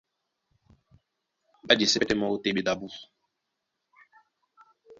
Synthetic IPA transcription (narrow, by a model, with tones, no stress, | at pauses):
ɓa˦d͡ʒe˨se˦ɛ˦te˦ma˦o˦te˦ɓe˦da˨bu˦